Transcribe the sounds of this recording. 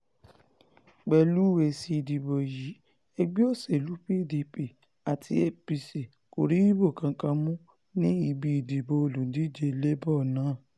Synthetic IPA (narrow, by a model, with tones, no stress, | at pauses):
ɡ͡bɛ˨lu˨˦we˧˨si˧˦i˧di˨bo˨ji˨˦ | ɛ˧ɡ͡bi˦o˦˨se˨lu˨˦pi˦˨di˧pi˨ | a˨tʰi˧˦e˦pi˧si˨ | ko˨ɾi˨˦wi˦bo˦˨kã˧˦kã˧mũ˦ | nĩ˦i˧bi˧i˨di˨bo˧o˨lũ˨˦di˦d͡ʒe˧le˦bɔ˦˨nãː˨˦˨